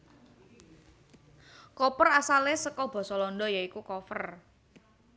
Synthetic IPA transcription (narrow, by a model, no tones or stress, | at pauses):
kɔpərasalesəkɔb̥ɔ̤sɔlɔnd̪ɔjaikukɔfər